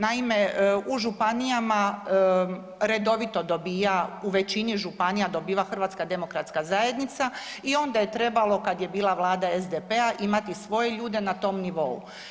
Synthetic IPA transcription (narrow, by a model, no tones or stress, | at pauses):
naime̞uʒupanijama | ɾe̞d̪o̞ʋit̪o̞d̪o̞biːjauʋe̞t͡ɕiniʒupanijad̪o̞biːʋaxr̩ʋaːt̪skad̪e̞mo̞kɾat̪skazaje̞d̪nit̪saio̞nd̪aje̞t̪ɾe̞balˠo̞kad̪je̞biːlˠaʋlˠaːd̪aezd̪epeaʔimat̪isʋo̞je̞ʎuːd̪e̞nat̪o̞ːmniʋo̞ṵ